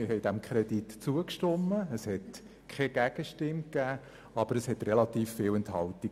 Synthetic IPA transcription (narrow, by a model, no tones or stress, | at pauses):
ɪhɛɪd̥æmkχɾɛditt͡suəkʃtɔmːəːshɛt | kʰɛɡ̥æɡ̥əʃtɪmkæː | ɑb̥əɾəshɛtrɛlɑt̪iːfːɪːlɛnthɑlti